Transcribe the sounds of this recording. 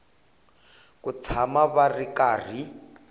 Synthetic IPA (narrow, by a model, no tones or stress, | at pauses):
kut͡sʰamaβarikaːr̤i